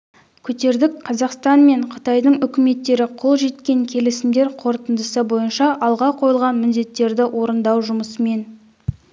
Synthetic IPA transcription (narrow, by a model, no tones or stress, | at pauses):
kʲʰɵt̪e̞ɾd̪ɪkqʰɑzɑqst̪ɑnme̞ɴqʰə̥t̪ɑjd̪əɴʏkʲɪme̞t̪ːe̞ɾɪqʰo̞lˠʒe̞t̪kʲe̞ŋkʲʰe̞lɪsɪmd̪e̞ɾqʰo̞ɾt̪ənd̪əsəbo̞jənʃɑʔɑlˠʁɑqʰo̞jəlˠʁɑnmɪnd̪e̞t̪ːe̞ɾd̪ɪwʔo̞ɾənd̪ɑwʒʊməsəme̞n